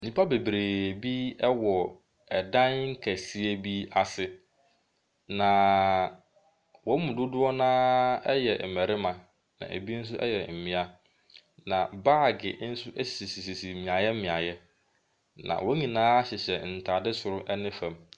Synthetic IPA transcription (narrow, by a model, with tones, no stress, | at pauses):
nĩ˨pʰa˦be˨bɾeː˨bi˦ɛ˦wɔ˨ | ɛ˨dã˦nŋ̩˦kʰæ˨si˦e˦bi˦a˨sɪ˨ | nã˨ | wɔ̃˨˦mũ˨dʊ˦dʊ˦ɔ˦nãː˦jɛ˨m̩˨mæ˨ɾɪ˦mã˨ | nã̰˨ʔḛ˨bi˦n̩˦s̬ʊ˦ʔɛ̰˦jɛ˨m̩˨mɪ̃˦a˦ | nã̰˨ba˦˨ɡɪ˨˦n̩˦sʊ˦ʔe˦si̥˨si˨si˨si˨si˨mĩ˨a˨jɛ˦m˦mɪ̃˨a˨jɛ˦ | nã̰˨wɔ̃˦ɲĩ˨nãː˦a˦ɕɛ˨ɕɛ˨n̩˨tʰa˨dɪ˦sʊ˨ɾʊ˦ʔɛ˦nɪ̃˦fã˨m